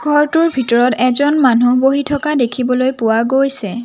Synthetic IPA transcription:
ɡʱɔɹtʊɹbʱitɔɹɔtɛzɔnmanuboɦitʰɔkadekʰibɔlojpʊwaɡojsɛ

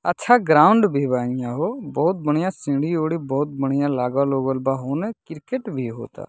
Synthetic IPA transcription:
ətːt͡ʃʰaɡɾaːʊɳɖbʱibaːɪjãɦobɔɦʊt̪̚bəɳijãsĩːɽioːɽibɔɦʊt̪̚bəɽ̤̃ijãlaːɡʋaloːɡəlbaɦoːnekɪɾkeʈbʱiɦo̰ːt̪a̰ː

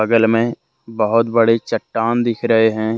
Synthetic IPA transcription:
əɡəlmẽ | bəɦʊt̪bɐɽet͡ʃəʈːaːnd̪ɪkʰɾɐɦeɦɛ̃ː

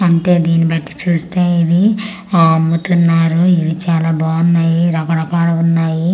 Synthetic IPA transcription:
ɐɳʈe̞ːd̪iːnibɐʈːi̥t͡ʃuːst̪eːiʋi | mːut̪unːaːɾuiʋit͡ʃaːlaːbaːunːaːjiɾɐkɐɽɐkaːɽɐunːaːji

